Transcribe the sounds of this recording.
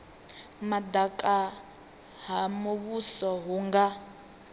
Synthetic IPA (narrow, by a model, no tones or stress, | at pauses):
mad̪akʼa | ɦamuβusɔɦuŋɡa